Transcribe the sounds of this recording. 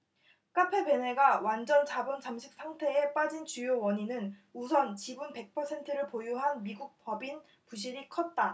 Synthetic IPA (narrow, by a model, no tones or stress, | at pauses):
k͈apʰe̞be̞ne̞ɡawand͡ʑʌnt͡ɕabunt͡ɕamɕʰik̚s͈ʰaŋtʰe̞ep͈ad͡ʑint͡ɕujowʌɲinɯnusʰʌnt͡ɕibunpe̞k̚pʰʌsʰe̞ntʰɯɾɯɭpojuɦanmiɡuk̚pʌbin | puɕ̬ʰiɾikʰʌt̚t͈a